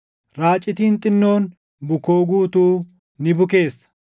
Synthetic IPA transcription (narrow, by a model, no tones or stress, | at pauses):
ɾaːt͡ʃʼːɪt̪iːnt̪ʼɪnːo̞ːn | bʊko̞ːɡuːt̪uː | nɪbʊke̞ːsːɐ̥